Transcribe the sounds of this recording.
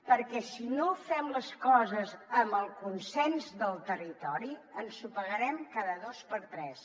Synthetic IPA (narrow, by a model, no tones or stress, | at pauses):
pəɾkɛsinofɛmləskɔzəzəməlˠkunsɛnzðəlˠt̪ərit̪ɔɾiənsupəɣəɾɛmkaðəðospəɾt̪ɾɛs